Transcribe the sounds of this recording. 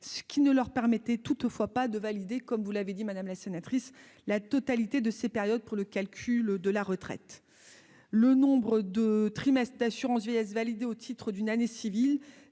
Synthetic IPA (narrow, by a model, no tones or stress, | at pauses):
sə̥kʲinəlœʁpɛʁmɛt̪ɛt̪ut̪fwapad̪əvalid̪ekɔmvulaved̪imad̪amlasenat̪χis | lat̪ɔt̪alit̪ed̪əsepɛʁjɔd̪̚puʁləkʲalkʲʰyld̪əlaʁət̪χɛ̰t̪ | lənɔ̃bʁəd̪ət̪χimɛst̪χd̪asyʁɑ̃svjejɛsvalid̪eot̪ʰit̪χəd̪ynanesivil